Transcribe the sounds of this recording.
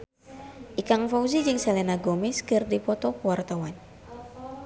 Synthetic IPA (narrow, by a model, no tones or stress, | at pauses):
ʔikaŋfawzid͡ʒɨŋsɛlɛnaɡɔmɛskɨrdipɔt̪ɔkəwart̪awan